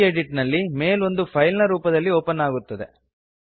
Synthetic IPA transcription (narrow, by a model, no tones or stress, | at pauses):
eɖiʈnɐlːime̞ːlo̞nd̪upʰɐjlnɐɾuːpɐd̪ɐlːioːpɐnːaːɡut̪ːɐd̪ḛ